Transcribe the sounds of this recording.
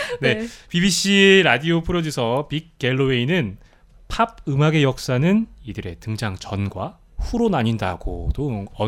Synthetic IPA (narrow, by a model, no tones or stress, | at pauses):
ne̞pibiɕ͈ʰiɾadiopʰɯɾodisʰʌpik̚k͈ːe̞ɭːoeinɯn | pʰab̚ɯmaɡe̞jʌk̚s͈anɯnidɯɾe̞tɯŋd͡ʑaŋt͡ɕʌnɡwa | ɸuɾonaɲinda̰ɡ̥o̰t͈oʌ